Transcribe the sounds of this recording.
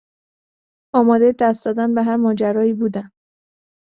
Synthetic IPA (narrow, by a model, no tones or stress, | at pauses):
ɒːmɒːd̪ejed̪æst̪zɒːd̪ænbeɦæɾmɒːd͡ʒæɾɒːiːbuːd̪æm